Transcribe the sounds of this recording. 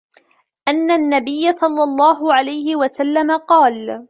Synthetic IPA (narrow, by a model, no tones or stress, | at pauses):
ʔanːanːabɪjːasˤɑlːɑlˤːɑːɦʊʕalajhɪwasalːamaqɑːl